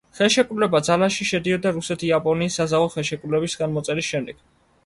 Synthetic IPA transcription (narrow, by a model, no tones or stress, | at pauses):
χɛlˠʃɛkʼɾulɛbad̪zalaʃiʃɛd̪iɔd̪aɾusɛt̪ʰiapʼɔniːsːazaɔχɛlˠʃɛkʼɾulɛbisɡanmɔt̪sʼɛɾisʃɛmd̪ɛɡ̥